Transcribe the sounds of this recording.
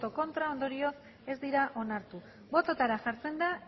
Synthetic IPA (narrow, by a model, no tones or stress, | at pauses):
t̪o̞ko̞nt̪ɾao̞nd̪o̞ɾio̞s | e̞zd̪iɾaʔo̞naɾt̪u | βo̞t̪o̞t̪aɾaʝaɾt͡se̞nd̪a